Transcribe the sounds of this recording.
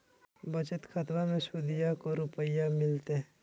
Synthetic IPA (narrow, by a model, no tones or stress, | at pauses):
bət͡ʃət̪kʰət̪mamẽsʊd̪ɪjakoɾʊpəjamɪlt̪eɦ